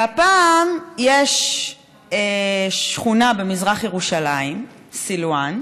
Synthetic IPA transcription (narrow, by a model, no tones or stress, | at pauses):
apaːmjeʃ | eʃχunabe̞mizʁaχjeʁuʃalaim | silwan